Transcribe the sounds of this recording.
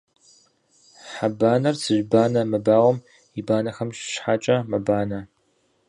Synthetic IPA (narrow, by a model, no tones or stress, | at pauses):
ħabaːnɐrsɨʒʷbaːnɐmɐbaːwʷɔm | ibaːnɐxɐmɕʃħat͡ʃʼɐmɐbaːnɐ